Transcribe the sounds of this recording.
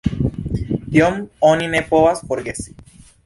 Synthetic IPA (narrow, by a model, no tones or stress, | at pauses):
t̪jomoninepoasfoɾɡesi̥